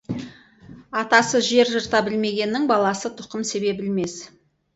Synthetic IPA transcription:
ɑt̪ɑsəʒe̞ɾʒəɾt̪ɑbɪlme̞ɡʲe̞nːɪŋbɑlˠɑsət̪ʰʊ̥qəmse̞be̞bɪlme̞s

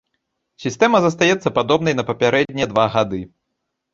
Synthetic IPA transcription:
sʲist̪ɛmɐzɐs̬t̪ajɛt̪sːɐpad̪ɔbnɐjnɐpɐpʲaɾɛdd̪ʲnʲɛd̪vaɣad̪ɨ

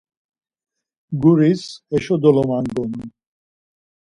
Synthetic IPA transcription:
ɡuɾisɛʃɔd̪ɔlɔmaŋɡɔnu

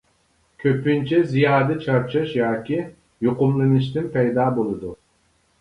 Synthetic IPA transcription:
cʰøpynt͡ʃʰɛzijaːd̪ɯt͡ʃʰaɾt͡ʃʰɯʃjaːcʰi | joqumlˠɯnɯʃ̬t̪ʰɯmpʰejd̪aːbolˠud̪u

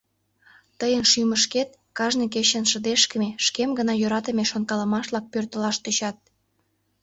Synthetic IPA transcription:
t̪əjənʃyməʃket̪̚ | kɑʒnik̬et͡ɕənʃəd̪eʃkəmeʃkemɡənɑjøɾɑt̪əmeʃonkɑləmɑʃlɑk̚pørt̪əlɑʃt̪øt͡ɕɑt̪̚

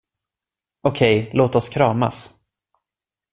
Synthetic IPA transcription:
ɔkʰɛjloːt̪ɔskʰɾɑːma̰s

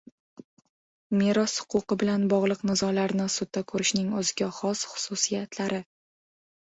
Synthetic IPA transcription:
me̞ɾɒshʊ̥qʰʊqɨbɪlanbɒʁlˠɨqnɪzɒlaɾnɪsʊd̪̚ːakʰɵɾɪʃnɪŋɵzɪɡʲaχɒsχʊ̥sʊsijat̪laɾɪ

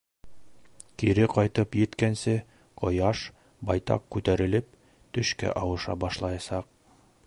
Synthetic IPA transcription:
kiɾɘqɑjt̪ɤpjɘ̆t̪kænsɘ | qʰŏjɑʃ | bɑjt̪ɑ̰qkːʉt̪æɾɘ̆lɘp̚ | t̪ɵ̆ʃkæ̰ʔɑwɤ̆ʃɑ̰bɑʃlˠɑjɑsɑq̚

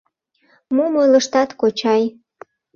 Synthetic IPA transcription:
momojləʃt̪ɑt̪kot͡ɕɑj

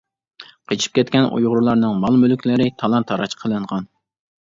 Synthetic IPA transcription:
qʰət͡ʃʰi̥p̚kʲɛt̪kʲɛnʔṵjʁʊɾulˠɑɾnɨŋmɑlˠmølykʲlɪɾɪt̪ʰɑlˠɑnt̪ʰːɑɾɑt͡ʃqʰəlˠɨɴʁɑn

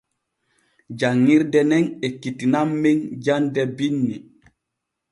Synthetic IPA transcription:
d͡ʒaŋːiɾdɛnɛnekːitinamːeŋd͡ʒandɛbinːi

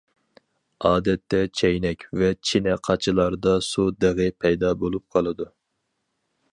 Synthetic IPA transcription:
ɑːd̪ɛt̪ʰːɛt͡ʃʰɛjnɛkʲvɛt͡ʃʰinɛqʰɑt͡ʃʰɨlˠɑɾd̪ɑsud̪ɨʁɨpʰɛjd̪ɑbolˠup̚qʰɑlˠɨd̪u

